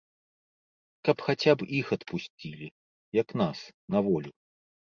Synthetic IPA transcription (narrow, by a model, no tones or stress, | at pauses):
kɐpxat͡sʲapixɐt̪pusʲt͡sʲilʲi | jɐknasnavɔlʲu